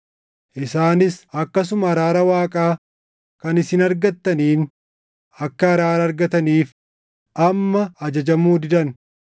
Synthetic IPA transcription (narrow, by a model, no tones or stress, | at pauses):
ʔɪsaːnɪsɐkːɐs̬ʊmɐɐɾaːɾɐwaːkʼaː | kɐnɪsɪnɐɾɡɐt̪ːɐniːn | ɐkːɐɐɾaːɾɐɾɡɐt̪ɐniːf | ʔɐmːɐːd͡ʒɐd͡ʒɐmuːd̪ɪd̪ɐn